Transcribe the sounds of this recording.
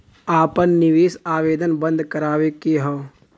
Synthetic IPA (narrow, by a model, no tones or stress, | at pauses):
aːpənːɪʋeːsaːʋeːd̪ənbə̃nd̪ʱkəɾaːʋekeɦoː